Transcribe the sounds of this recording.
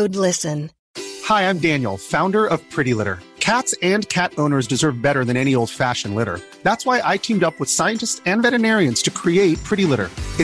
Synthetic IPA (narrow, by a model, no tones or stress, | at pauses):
ʊdˡlɪsɨ̃n | haɪãɪ̃mdæ̃njl̩ˠfãʊ̃ndə˞ʌv̥pʰɹ̥ɪɾilɪɾə̰˞kʰætsɨ̃nkʰæɾõʊ̃nə˞zdɨzɜ˞vbɛɾə˞ðɨ̃ñɛnioʊlˠd̥fæʃɨ̃nlɪɾə̰˞ | ðætswaɪʔaɪtʰĩmdʌpwəð̥saɪɨ̃ntɨstsɨ̃nvɛɾɨnɛɹiɨ̃nz̥tʰɨkʰɹ̥ieɪt̚pʰɹ̥ɪɾilɪɾə̰˞ɨ